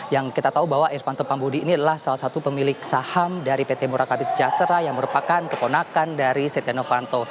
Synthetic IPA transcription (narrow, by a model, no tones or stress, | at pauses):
jaŋkit̪at̪aubawaʔɛrfant̪opambodiːniadalahsalahsat̪upəmilɪk̚sahamdaɾipet̪emuɾakabɪsəd͡ʒat̪ɾajaŋməɾupakankəponakandaɾiset̪enofant̪o